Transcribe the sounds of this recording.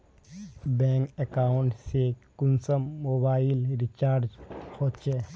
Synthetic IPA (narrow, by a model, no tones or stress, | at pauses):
bɛ̃ːŋkekaːʊɳʈsekʊnsəmːoːbaːɪlɾɪt͡ʃaːɾd͡ʒhoːt̪t͡ʃʰeː